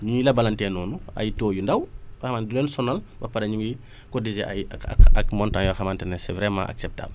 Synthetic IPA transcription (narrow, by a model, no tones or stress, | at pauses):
ɲuŋilɐbɐlantɛːnɔːnuɐ̰jtoːjundɐwbɐxɐmandlɔːnsɔnalbɐpɐɾɐɲuŋɡi | kɔdizḛʔa̰ja̰ɐkmɔntãŋjɔxɐmantɛnɛsɛvɾɛmã̰ʔa̰ksɛp̚ta̰ːb